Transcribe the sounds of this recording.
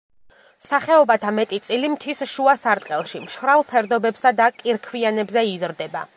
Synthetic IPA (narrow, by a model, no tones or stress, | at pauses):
saχɛɔbat̪ʰamɛt̪ʼit̪sʼilimt̪ʰisʃuasaɾt̪ʼqʼɛlˠʃimʃvɾalˠpʰɛɾd̪ɔbɛbsad̪akʼiɾkʰvianɛbzɛizɾd̪ɛba̰